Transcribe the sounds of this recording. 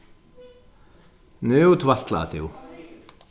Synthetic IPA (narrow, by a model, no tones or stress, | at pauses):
nʏːt̪ʰvat̪la̰ːt̪ɪw